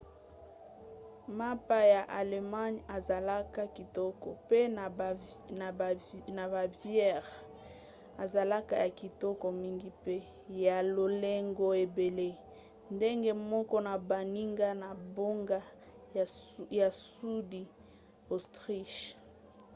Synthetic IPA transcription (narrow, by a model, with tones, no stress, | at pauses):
ma˦pa˦ja˨ʔa˨le˨ma˦ɲa˨za˨la˦ka˦ki˨tɔ˦kɔ˨pe˦n˨na˨na˨ba˨vjɛ˦ʁ | a˨za˨la˦ka˦ja˨ki˨tɔ˦kɔ˨mi˦ŋɡi˦pe˦ | ja˨lo˨le˦ŋɡɔ˦e˨be˨le˦ | nde˦ŋɡe˦mɔ˦kɔ˦na˨ba˨ni˦ŋɡa˦na˨bo˦ŋɡa˦ | ja˨su˦di˨ | o˨stʁi˦ʃ